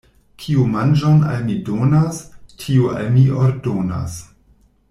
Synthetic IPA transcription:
kʰiumand͡ʒona̰lmidonastʰiua̰lmiʔoɾdona̰s

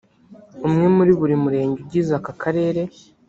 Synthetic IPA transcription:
umŋe̞muɾiβuɾimuɾe̞ːɲɟeb̚ɟiːzakakʰaɾe̞ːɾe̞

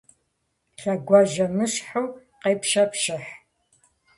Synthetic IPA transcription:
ɬɐɡʷɑʒɐmɨɕħuw | qeːpʃɐpʃɨħ

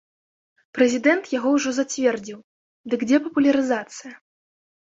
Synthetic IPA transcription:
pɾɛzʲid̪ɛnt̪jaɣɔwʐɔzat͡sʲvʲɛrd͡zʲiw | d̪ɨɡd͡zʲɛpɐpulʲɐɾɨzat̪sɨjɐ

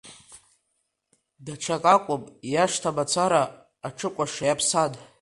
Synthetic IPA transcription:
daʈ͡ʂʷʰakʼakʷʼʊpʼjaʂtʰabat͡sʷʰaɾaː | ʈ͡ʂʰɨkʷʼaʂajapʰsad

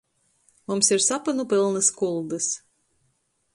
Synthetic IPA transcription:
mumsiɾsapɨnupɨlˠnɨskulˠd̪ɨs

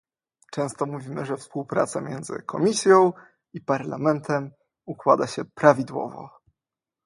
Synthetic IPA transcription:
t͡ʂɛ̃w̃st̪ɔmuvʲimɘʐɛfspuwpɾa̰t̪samʲjɛnd̪zɘ̰kʰɔmʲisʲjɔ̃w̃ | ipaɾlamɛnt̪ʰɛm | ukwad̪aɕɛpɾavʲid̪wɔ̰vɔ̰

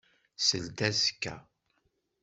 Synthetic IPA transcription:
səlt̪æskːæ̰

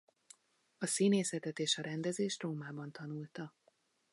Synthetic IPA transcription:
ɒsiːneːsɛt̪ɛt̪eːʃɒɾɛnd̪ɛzeːʃt̪roːmaːbɒnt̪ɒnuːlt̪ɒ

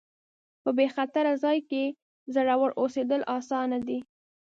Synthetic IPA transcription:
pəbexat̪aɾazɑjke | zəɽawəɽʔosed̪əlʔɑsɑnad̪i

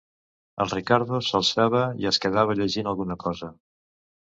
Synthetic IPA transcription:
ə̰lˠrikaɾðusəlˠsaβəḭəskəðaβ̞əʎəʒinəlˠɣunəkɔzə

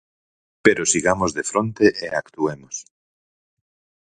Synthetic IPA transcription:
peɾosiɣamozðefɾont̪eʔeakt̪uemos

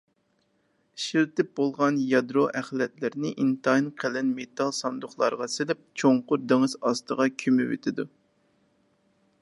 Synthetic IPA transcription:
ʃiɾt̪ɪp̚bolˠʁɑnjɑd̪ɾoʔɛχlɛt̪lɪɾnɪʔint̪ɑjinqʰɛlɛnmet̪ʰɑlˠsɑnd̪ʊχlˠɑ̰ɾəʁɑsɪlɪp̚t͡ʃʰoŋqʊɾd̪eŋɨzɑst̪əʁɑkʲʰymɪwḛt̪ʰɪd̪u

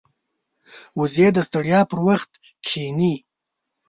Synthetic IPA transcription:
wʊzjed̪əst̪aɽjɑːpəɾwaxt̪ | kʰeni

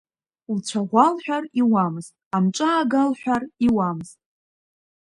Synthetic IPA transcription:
lt͡ʃʷʰaʁʷalħʷᶣariwamztʼamʈ͡ʂʷʼaːɡalħʷᶣariwamztʼ

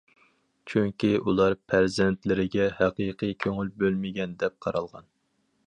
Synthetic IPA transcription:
t͡ʃʰyŋkʲiulˠɑɾpʰæɾzɛnt̪lɪɾɪɡʲɛhæqɨjqʰɨjkʲʰøŋylbølmɪɡʲɛnd̪ɛp̚qʰɑɾɑlˠʁɑn

